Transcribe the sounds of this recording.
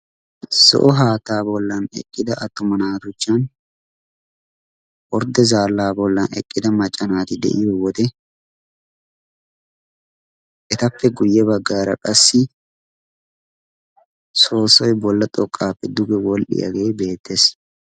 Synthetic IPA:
sɔ̰ʔɔɦaːt̪aːbɔlːɐnɛ̰kʼːɪd̪ɐʔɐt̪ːʊmɐnaːt̪ʊt͡ʃːaːn | wɔɾd̪ɛzaːlːaːbɔlːɐnɛ̰kʼːɪd̪ɐmɐt͡ʃʼːɐnaːt̪ɪd̪ɛ̰ʔɪɔwɔd̪ɛ | ʔɛt̪ɐfːɛɡʊjːɛbɐɡaːɾɐ̰kʼɐsːɪ | soːsɔjbɔlːɐt̪ʼɔkʼːaːpːɛd̪ʊɡɛwɔlɗɪ̰ʔɐ̰ɡeːbe̞ːt̪ːɛs

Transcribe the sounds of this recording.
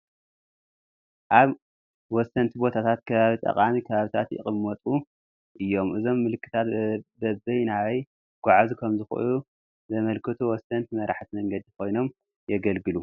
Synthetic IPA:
ʔaβ | wɔsːɐnt̪ʰibo̞t̪ʰat̪ʰat̪̚kʰɐβaβit̪ʼɐ̰qʼamikʰɐβaβit̪ʰat̪jɪ̰χʼɨmːɐt̪ʼu | ʔɨjːo̞mʔɨzo̞mːɨlɨkːɨ̥t̪ʰat̪bɐbɐjnawɐj | ɡ̥ʷaʕazkʰɐmzɨxʔɨ̰ju | zɐmɐlkʰɨt̪ʰuwɔsɐnt̪mɐɾaħt̪imɐŋɡɐd̪ikʰo̞jno̞m | jɛɡɐlɡɨlu

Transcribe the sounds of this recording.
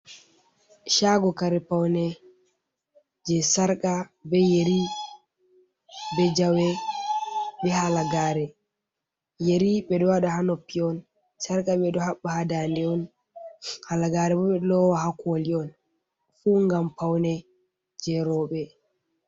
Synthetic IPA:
ʃaɡɔkaɾɛpawnɛ | d͡ʒɛsaɾkabɛjeɾi | bɛd͡ʒawɛ | bɛhalaɡaːɾɛ | jeɾiɓɛɗɔwaɗahanɔpːiɔn | saɾkaɓɛdɔhaɓːahadandɛɔn | halaɡaːɾɛbɔɓɛɗɔwahakoliɔn | fuːŋɡampawnɛ | d͡ʒɛɾɔɓɛ

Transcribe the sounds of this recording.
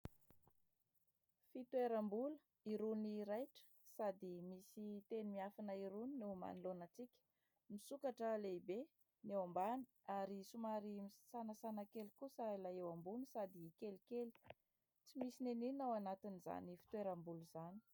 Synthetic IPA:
fit̪weɾambulə | iɾuniɾajʈ͡ʂə̥ | sad̪imisit̪enimiafanəiɾuninema̰nilonət͡sikʲə̥ | misukaʈ͡ʂəleibe | newambani̥ | aɾisumaɾimisanəsanakelikusailaewambunisad̪ikelikeli̥ | t͡simisineninawanat̪iniza̰nifi̥t̪weɾambuluz̥ani̥

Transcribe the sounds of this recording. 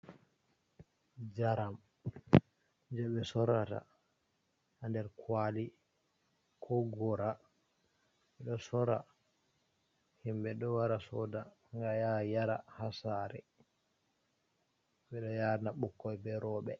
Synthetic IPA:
d͡ʒaɾam | d͡ʒɛɓɛsɔɾata̰ | handɛɾkwali | kʰɔɡɔɾa | ɓɛɗɔsɔɾa̰ | himɓɛɗɔwaɾasɔda | ŋɡajajaɾahasaɾɛ̰ | ɓɛɗɔjaɾnaɓukːɔjbɛɾɔɓɛ

